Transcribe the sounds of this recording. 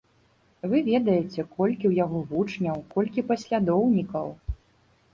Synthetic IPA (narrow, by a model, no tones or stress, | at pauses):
vɨvʲɛd̪ɐjɛt͡sʲɛkɔlʲkʲiwjaɣɔvut͡ʂnʲɐwkɔlʲkʲipɐsʲlʲad̪ɔwnʲikɐw